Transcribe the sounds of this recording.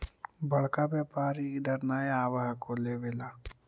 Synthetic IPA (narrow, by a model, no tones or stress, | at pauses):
bɐɭkabeːpaːɾid̪əɾnaːeaːʋaɦkoleʋeːla